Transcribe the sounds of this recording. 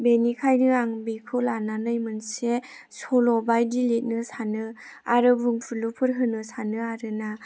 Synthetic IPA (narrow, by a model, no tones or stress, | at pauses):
benikʰajnɯaŋbikʰɯlananɯjmɯnse | sɔlɔbajdilit̚nɯsanɯaɾɯbɯŋpʰulupʰɯɾɦɯnɯsanɯaɾɯna